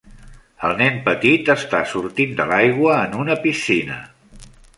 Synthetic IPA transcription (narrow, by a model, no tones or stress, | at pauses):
əlˠnɛmpət̪it̪əst̪asuɾt̪ind̪əlajɣwəːnunəpisinə̰